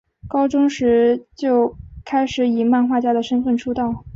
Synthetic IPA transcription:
kɑ˥ʊʈ͡ʂʊ˥ŋʂɻ̩˧˥t͡ɕjo˥˩ʊkʰa˥ɪʂɻ̩˨˧˥i˨˩ma˥˧nxwa˥˩t͡ɕja˥d̪ə˨ʂə˥nfə˥˩nʈ͡ʂʰu˥t̪ɑ˥˩ʊ

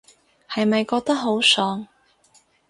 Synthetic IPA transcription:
hɐ˨jmɐ˨jkɔː˧k̚t̪ɐ˥k̚ɦo˨˥wsœː˨˥ŋ

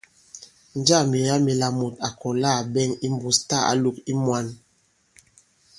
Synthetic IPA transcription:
n˦d͡ʒa˦˨mi˨ɾa˦mi˨la˨mo˨ta˨kʰɔ˨la˦˨bɛ˦˨ŋi˦m˦bu˨sta˦˨a̰˦lu˨ki˦mwa˦n

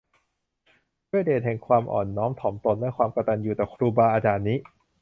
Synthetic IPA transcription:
du˥˩jdeː˨˩t̪̚hɛ˨˩ŋkʰwaː˧mʔɔ̰ː˨˩nːɔː˦˥mt̪ʰɔː˩˦mt̪o˧nlɛ˦˥kʰwaː˧mka˧t̪a˧njuː˨˩t̪ɛː˨˩kʰɾuː˧baː˧ʔaː˧t͡ɕaː˨˩nːiː˦˥

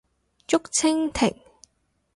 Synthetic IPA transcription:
t͡ʃʊ˥k̚t͡sʰɪ˥ŋt̪ʰɪ̰˨˩ŋ

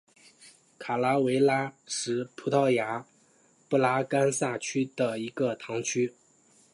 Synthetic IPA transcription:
kʰa˨˩la˥we˧˥ɪla˥ʂɻ̩˧˥pʰu˧˥t̪ʰɑ˥˩ʊja˧˥ | pu˥˩la˥ka˥nsa˥˩t͡ɕʰy˥d̪ə˨i˧˥ɡə˧t̪ʰɑ˧˥ŋt͡ɕʰy˥

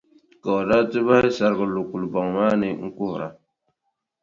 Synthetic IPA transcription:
ka˨o˨da˦tɨ˦ba˦hɪ˦sa˨ɾɡɨ˨lo˨ku˨lbɔ˨ŋmaː˦nɨ˦ŋ̩˦kʊ˦hʊ˨ɾa̰˨

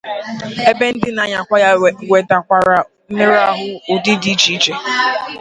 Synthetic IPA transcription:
e˦be˦n̩˦dɪ˦na˨ɲa˨kʷa˦jwe˨ta˨kʷa˨ɾa˨ | m̩˦mɪ˦ɾa˦ɦʊ˦ʊ˨di˦di˦d͡ʒi˦d͡ʒe˨

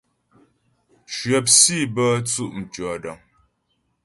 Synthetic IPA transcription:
ʃɥə˨p̚si˦˨bə˦t͡su˦˨ʔm̩˨tɔ˨də˨ŋ

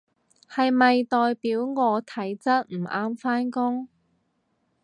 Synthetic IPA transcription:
hɐ˨jmɐ˨jt̪ɔː˨jpiː˨˥wŋɔː˨˧t̪ʰɐ˨˥jt͡sɐ˥t̚m̩˨˩ʔaː˥mfaː˥nkʊ˥ŋ

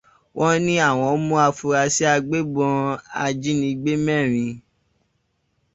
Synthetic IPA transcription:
wʔɔ̃˦nĩ˦a˦˨w̃ɔ̃˧˦mũ˦a˧fu˧ɾa˧si˦a˧ɡ͡be˦ɡ͡bɔ̃˧a˧d͡ʒi˦nĩ˧ɡ͡be˦mɛ̃˦˨ɾ̃ĩ˧

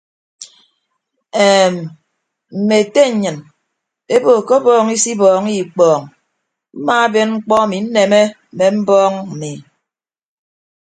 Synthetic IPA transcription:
eː˨m˨ | m̩˨me˨te˦ɲ̩˨ɲɨ˨n | e˦bo˨ko˦bɔː˦ŋi˦si˦bɔː˨ŋi˦˨k͡pɔː˨ŋ | m̩˦maː˦a˦be˦nŋ͡m̩˦k͡pɔ˦a˨mi˨n̩˦ne˨me˦˨ | me˨m̩˦bɔː˦ŋm̩˨mi˨

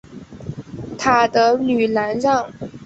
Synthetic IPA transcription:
t̪ʰa˨˩d̪ə˦ly˨˩la˧˥nɻɑ˥˩ŋ

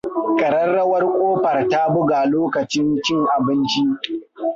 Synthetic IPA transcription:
kʼɐ˨ɽɐ˦rːɐ˦wɐ˦rkʷʼoː˦ɸɐ˨rta˦bʊ˦ɡaː˨loː˦kɐ˨t͡ʃɪ˦nt͡ʃɪ˦ŋʔa˨bɪ˦nt͡ʃi˦

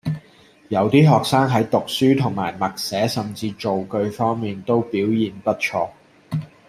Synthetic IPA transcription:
jɐ˨˥wt̪iː˥ɦɔː˨k̚saː˥ŋɦɐ˨˥jt̪ʊ˨k̚syː˥t̪ʰʊ˨˩ŋma̰ː˨˩jmɐ˨k̚sɛː˨˥sɐ˨mt͡siː˧t͡ʃo˨wkɵ˧ɥfɔː˥ŋmiː˨nt̪o˥wpiː˨˥wjiː˨npɐ˥t̚t͡ʃʰɔː˧

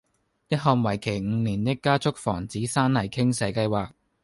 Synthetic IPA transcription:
jɐ˥t̚ɦɔː˨˧ŋwɐ˨˩jkʰe˨˩jŋ̩˨˧niː˨˩nt̪ɪ˥kːaː˥t͡sʊ˥k̚fɔ̰ː˨˩ŋt͡siː˨˥saː˥nlɐ˨˩jkʰɪ˥ŋsɛː˨˧˥kɐ˧jwaː˨k̚

